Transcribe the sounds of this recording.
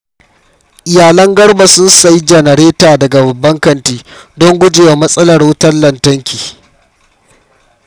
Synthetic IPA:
ʔɪ˨jaː˨lɐ˦ŋɡɐ˦ɽba˨sʊ˦nsa˨ji˦d͡ʒɐ˨nɐ˨ɾeː˦taː˨dɐ˨ɡa˨bɐ˨bːɐ˦ŋkɐ˨ntiː˦dɔ˦ŋɡʷʊ˦d͡ʒeː˨wa˨mɐ˦sʼɐ˦lɐ˨rwʊ˦tɐ˦rlɐ˨ntɐ˦ŋkʲiː˨

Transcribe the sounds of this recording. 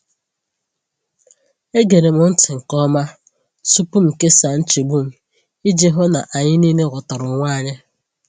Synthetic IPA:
e˦ɡe˨ɾe˨mʊ˨n̩˦tɪ˨ŋ̩˨kɔ˦ma˦ | su˦pu˦m̩˨ke˦sa˨n̩˦t͡ʃi˨bu˦m̩˨ | i˦d͡ʒe˦ɦʊ˦na˨ʔa˨ɲɪ˦niː˦ne˦ɣʊ˨tɔ˨ɾʊ˨ŋʷaː˦˨ɲɪ˦

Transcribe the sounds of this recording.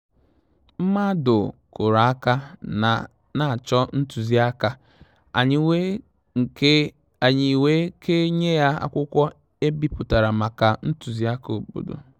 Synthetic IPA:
m̩˦ma˦dʊ˨kʊ˨ɾa˨a˦ka˦a˨ | na˨t͡ʃɔ˦n̩˦tu˨zi˦a˦ka˦˨˦ | a˨ɲɪ˨we˦kʰe˦ɲe˦ja˦a̰˦kʷʊ˦kʷɔ˦ | e˦bi˦pʊ˨ta˨ɾa˨ma˨ka˨n̩˦tu˨zi˦a˦ko˨k͡po̰˨do̰˨

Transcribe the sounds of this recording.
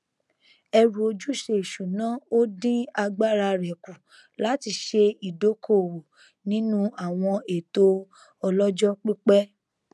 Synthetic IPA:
ɛ˧ɾu˨o˧d͡ʒu˦ʃe˧˦i˨ʃu˨nã˨˦o˦dĩ˦a˧ɡ͡ba˦ɾa˧ɾɛ˨ku˨ | la˨˦ti˧ʃe˧i˨do˨˦kʰo˦˨wo˨ | nĩ˦nũ˦a˨w̃ɔ̃˧e˨to˧ | ɔ˧lɔ˦d͡ʒɔ˦k͡pi˦k͡pɛ˦

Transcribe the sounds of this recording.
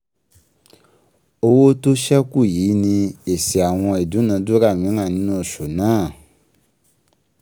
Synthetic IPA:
o˧wo˦to˦ʃɛ˦ku˦˨jiː˨˦nĩ˧e˨si˨a˨w̃ɔ̃˧e˨du˨˦nã˧˦du˦ɾa˦˨mĩ˨˦ŋã˦˨nĩ˦nũ˦o˦˨ʃo˨nãː˦˨

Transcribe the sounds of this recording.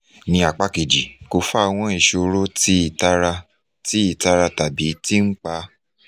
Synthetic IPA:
nĩ˧a˨k͡pa˦ke˨d͡ʒi˨ko˨˧fa˦˧w̃ɔ̃˧˦i˨ʃo˧ɾo˦ti˦i˨ta˦ɾa˧ | ti˨˦i˦˨ta˧ɾa˧ta˨bi˨˦ti˦ŋ̩˦k͡pa˧˦

